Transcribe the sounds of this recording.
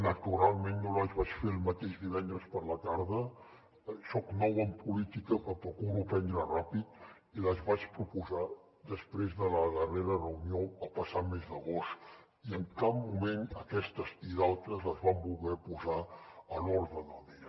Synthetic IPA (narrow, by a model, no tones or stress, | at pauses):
nət̪uɾalˠmẽnːolβaʒβat͡ʃfeɾəlˠmət̪eʃd̪iβ̞ɛnd̪ɾəspəɾlət̪aɾðə | sɔknɔwəmpulit̪ikəkəpɾukuɾupɛnd̪ɾərapit̪ | iləzβat͡ʃpɾupuza | d̪əspɾezðələðəreɾərəunjoəlˠpəsat̪mezðəɣost̪ | iəŋkabmumenəkɛst̪əziðalˠt̪ɾəzəzβambulˠɣɛpuzaəlɔɾðəd̪əlˠd̪iə